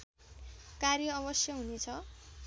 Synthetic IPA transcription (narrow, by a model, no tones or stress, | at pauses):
karjʌːβʌsjʌɦunet͡sʰʌ